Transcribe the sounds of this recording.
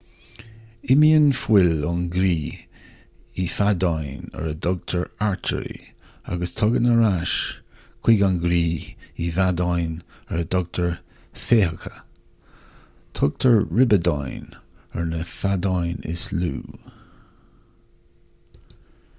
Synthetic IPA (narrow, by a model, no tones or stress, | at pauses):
ɪmiənfwɪlʊnɡɾiː | ifadajnɛ̰ɹədɔɡ̚tʰəɹaɹtʰə̰ɾḭ | a̰ɡəst̪ʰɔɡənəɾaʃkʰw̥iɡanɡɾiːivadajn | ɛɹədɔɡ̚tʰəɹ | feːhəkʰə | tʰɔɡ̚tʰəɹɹɪbəda̰jnɛɹnəfadajnɪ̰slṵː